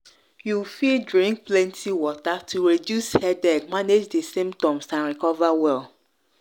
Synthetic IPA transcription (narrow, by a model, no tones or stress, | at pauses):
jufildɹĩŋk̚plɛ̃ntʰiwɔtatʰuɹidjushɛdɛkmaned͡ʒdesĩmptɔ̃msãnɹikɔvawɛl